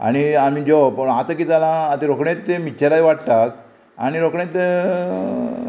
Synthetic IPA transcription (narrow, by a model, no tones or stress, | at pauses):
a̰ɽ̃iamid͡ʑɔpəɳat̪əkid͡zalãːt̪eɾokɳẽt̪ːemit͡ɕelajʋaʈʈ̪ak̚ | a̰ñiɾokɳẽt̪ːe